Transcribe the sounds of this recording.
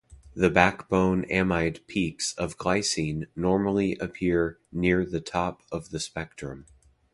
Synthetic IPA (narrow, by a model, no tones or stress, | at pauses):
ðɨbækb̥õʊ̃næ̃maɪd̚pʰiksʌvɡlaɪsĩnːɔɹml̩ˠiʔɨpʰɪɹnɪɹðɨtʰɑpʌvðɨspɛk̚tɹ̥ɨ̃m